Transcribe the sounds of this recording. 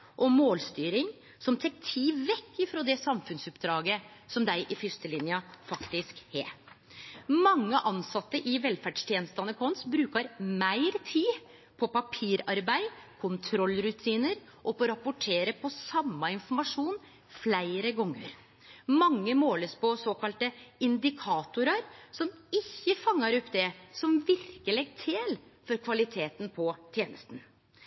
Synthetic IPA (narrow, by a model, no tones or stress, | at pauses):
ʔɔmoːlst̪yːɾɪŋ | sɔmt̪ʰɛk̚t̪ʰiːʋɛkːɪfɾoːd̪ɛsɑmfʉnsʉpd̪ɾɑːɡəsɔmd̪æɪʔɪfʏst̪əlɪnjəfɑkt̪ɪskhḛː | mɑŋːəʔɑnsɑt̪ːəʔɪʋɛlfæɖʂt̪ʰjɛːnəst̪ɑnəkʰɔnsbɾʉːkɑɾmæɪɾt̪ʰiː | pʰɔpɑpʰiːɾɑɾbæɪkʰʊnt̪ʰɾɔlːɾʉt̪ʰiːnəɾ | ʔɔpɔɾɑpːʊʈʰeːɾəpʰɔsɑmːɑɪnfɔɾmɑʂuːn | flæɪɾəɡɔŋːəɾ | mɑŋːəmoːləspɔsoːkɑlt̪əɪnd̪ɪkʰɑːt̪ʊɾɑɾsɔmɪçːəfɑŋːɑɾɔpːd̪ɛsɔmʋɪɾkəlɛɡ̚t̪ʰeːlfɔɾkʰʋɑlɪt̪ʰeːt̪npʰɔt̪ʰjeːnəst̪n̩